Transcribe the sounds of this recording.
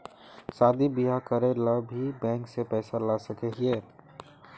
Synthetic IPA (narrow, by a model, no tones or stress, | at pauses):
saːd̪ibiɦakəɾeləbʱibɛ̃ːŋksepɛːsalasəkeɦieː